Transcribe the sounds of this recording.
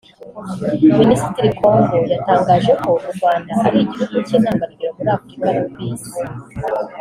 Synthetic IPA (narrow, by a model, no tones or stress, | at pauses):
minisi̥tiɾikʰo̞ːŋɡojataːŋɡaːʒe̞ko̞muɾɡwaːndaʔaɾiiɟihuɡucenaːmbatuɡiɾakuɾaːkukikaɾakwiːzi